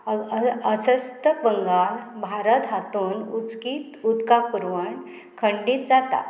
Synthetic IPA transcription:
əsəst̪əbəŋɡalbʱaɾət̪ɦat̪uːnut͡skiːt̪ud̪kapuɾʋəɳ | kʰəɳɖiːt̪̚d͡zat̪a̰

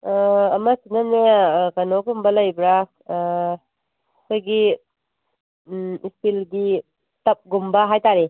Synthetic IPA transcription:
ɐmɐsinɐneakɐnoɡumbɐlɐjbɾa | kʰojɡi | ispilɡi | tɐp̚ɡumbɐɦajtaɾe

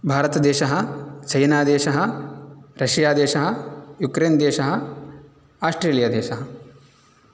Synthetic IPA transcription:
bʱaːɾɐt̪ɐd̪eːʃɐɦɐ̆t͡ʃɐjnaːd̪eːʃɐɦɐ̆ɾɐʃjaːd̪eːʃɐɦɐ̆jukɾeːnd̪eːʃɐɦɐ | aːsʈɾeːlijaːd̪eːʃɐɦɐ

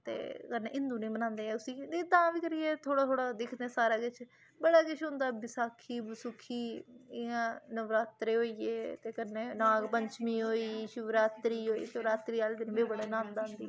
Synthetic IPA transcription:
t̪ḛːkənḛːʔɪ̃nd̪uːnẽːmənãːnd̪eːɛ̃ːʊsiːd̪et̪ãːʋiːkəɾɪjeːt̪ʰoːɽaːt̪ʰoːɽaːd̪ɪkʰd̪ɛ̃ːsaːɾaːɡɪt͡ʃʰ | bəɽaːkɪt͡ʃʰɦʊ̃nd̪aːbɪsaːkʰiːbəsʊkʰːiːɪãːnəʋɾaːt̪ɾeːɦoːiːeːt̪eːkənːeːnãːpəɲt͡ʃmiːɦoːiːʃʊʋɾaːt̪ɾiːɦoːḭːʃəʋɾaːt̪ɾiːaːld̪ɪnbeːbəɽeːnãːnd̪aːnd̪iː

